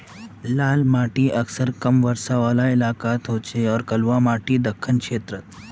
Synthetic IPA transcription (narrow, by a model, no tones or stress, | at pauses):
laːlmaːʈiɐksəɾkɐmʋɐɾsaʋaːlaɪlaːkaːt̪ɦoːt͡ʃʰeɔːɾkɐlʋamaːʈid̪ɐkʰːənkʃeːt̪ɾət̪̚